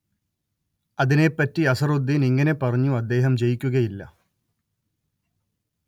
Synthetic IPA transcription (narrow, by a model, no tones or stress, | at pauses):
ɐðine̞pːɐtːiɐsɐrud̪ʱːiniŋːɐne̞pːɐrɐɲːuɐd̪ːe̞ːɦɐmt͡ɕe̞jikʲːuɣɐjilːɐ̰